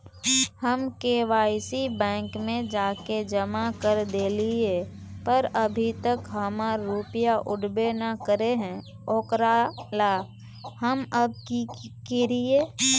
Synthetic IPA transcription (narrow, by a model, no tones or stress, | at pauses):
həmkeːʋaːɪsibɛ̃ːŋkmẽd͡ʒaːked͡ʒəmakəɾd̪eːlie | pəɾəbʱit̪əkɦəmaɾːupɪjaʔʊɖbenakəɾeɦɛ̃ | oːkɾaːla | həməb̚kikeɾieː